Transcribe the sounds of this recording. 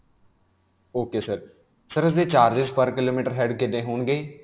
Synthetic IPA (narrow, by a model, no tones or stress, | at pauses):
oːkeːsəɾ | səɾʊsd̪eːt͡ʃaːɾd͡ʒɪzpəɾkɪloːmiːʈəɾɦɛːɖkɪd̪ẽːɦoːɳɡəeː